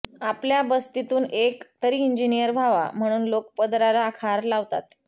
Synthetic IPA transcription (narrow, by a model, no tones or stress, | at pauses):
apljabəst̪it̪uːnekt̪əɾiːind͡ʑinijəɾʋʱaʋa̰m̤əɽ̃uːnlokpəd̪ɾalaːkʰaɾlaʋt̪a̰t̪